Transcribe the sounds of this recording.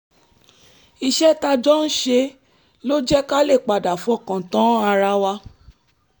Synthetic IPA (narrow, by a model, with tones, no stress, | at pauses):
i˧ʃɛ˦ta˧d͡ʒɔ˦n̩˦ʃe˧ | lo˦d͡ʒɛ˦ka˦le˦˨k͡pa˨da˨fɔ˦˨kã˨tã˨˦a˧ɾa˧wa˧˦